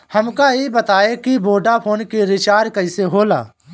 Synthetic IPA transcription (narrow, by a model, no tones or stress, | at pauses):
həmkaebət̪aːekiboːɖapʰoːnkeɾɪt͡ʃaːɾkəɪseɦoːla̰ː